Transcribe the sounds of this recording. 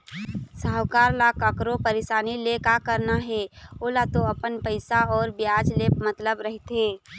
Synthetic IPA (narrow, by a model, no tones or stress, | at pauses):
saːɦwkaːɾlakəkɾopəɾeʃaːnilekakəɾnaɦɛoːlat̪oəpənpəɪsaɔːɾbjaːd͡ʒlepmət̪ləbɾəɦit̪ɦeː